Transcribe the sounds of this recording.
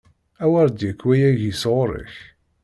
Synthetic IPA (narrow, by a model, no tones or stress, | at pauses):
æwæɾˤd̪jəkːwæjæʝisʁʊɾˤə̰ç